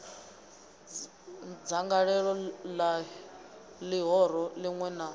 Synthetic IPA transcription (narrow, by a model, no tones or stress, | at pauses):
d͡zaŋɡaɺɛɺɔla | liɦɔɾ̤ɔliŋwɛna